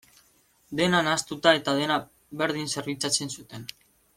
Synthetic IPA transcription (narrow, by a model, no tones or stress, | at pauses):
d̪e̞nanast̪ut̪ae̞t̪aðe̞na | βe̞ɾð̞inse̞ɾβit͡sat͡se̞nsut̪e̞n